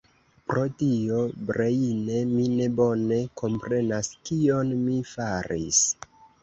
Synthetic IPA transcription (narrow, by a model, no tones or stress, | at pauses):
pɾo̞tio̞bɾejine̞mine̞bo̞ne̞kʰo̞mpɾe̞naskio̞nmifaɾḭs